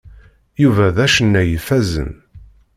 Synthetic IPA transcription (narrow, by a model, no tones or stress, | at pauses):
juvæðæʃənːæjəfæzə̰n